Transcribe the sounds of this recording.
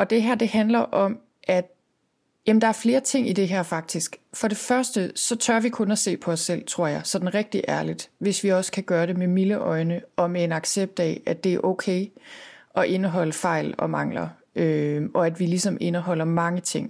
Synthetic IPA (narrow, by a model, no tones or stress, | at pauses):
ɒ̽d̥e̝ɦæɐ̰d̥e̝hænlɐʔɒ̽m | ʔæd̥ | jæmnd̥ɑ̈æɐfle̝ːɐt͡sʰe̝ŋ̰id̥e̝ɦæɐ̰fɑ̈ɡ̥̚d̥isɡ̥fɒ̽ɾe̝fɶɐsd̥əsɒ̽t͡sʰɶɐʋikʰɔ̽næse̝̰ːpʰɒ̽ɒsːel̰t͡sʰʁo̝ɐ̰jɑ̈ɪsɒ̽d̥n̩ʁɛɡ̥̚d̥iʔæɐlid̥ʋe̝sʋiɒ̽sə̥kʰæɡ̥ɶːɐɾe̝memiləʔɒ̽ɪnəɒ̽mee̝nɑ̈ɡ̥seb̥̚d̥ɛ̰ːæd̥e̝æɐʔokʰeɪʔɒ̽ʔe̝nəɦɒ̽l̰əfɑ̈ɪ̰lɒ̽mɑ̈ŋ̰lɐ̰ | øɒ̽æd̥ʋilisɒ̽me̝nəɦɒ̽l̰ɐmɑ̈ŋət͡sʰe̝ŋ̰